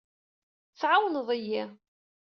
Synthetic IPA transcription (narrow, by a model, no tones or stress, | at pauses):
fʕawnðˤəjːi